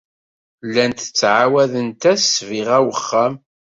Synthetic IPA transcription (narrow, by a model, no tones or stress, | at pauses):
lːænt̪ə̥t͡sːʕawæðənt̪æsviʁæwəχːæm